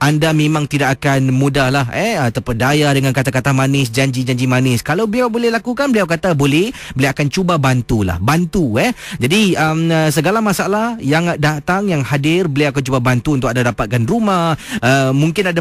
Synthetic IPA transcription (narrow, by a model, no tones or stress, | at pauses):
ʔandamẽmãŋt̪idakakanmũdahlahɛət̪əpədajadəŋankat̪akat̪ahmanɪs̬d͡ʒaɲd͡ʒid͡ʒaɲd͡ʒimanɪskalawbəliawbolɛhlakukanbəliawkat̪abolɛh | bəliawakant͡ʃubabant̪ula̰hbant̪uɛd͡ʒadiəməsəɡalamasalahjaŋdat̪aŋjaŋhadɪrbəliawakant͡ʃubabant̪uunt̪ʊkandadapat̪̚kanrumahəmuŋkɪnada